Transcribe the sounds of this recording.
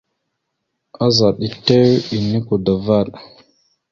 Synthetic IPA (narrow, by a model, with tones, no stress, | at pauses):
a˦za˨ɗi˨te˦wi˨ni˦ku˨da˨va˦˨ɗ